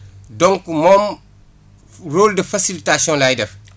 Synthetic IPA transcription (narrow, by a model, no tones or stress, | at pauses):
dɔŋkumɔm | roːldəfɐsilitasiɔ̃nlajdɛf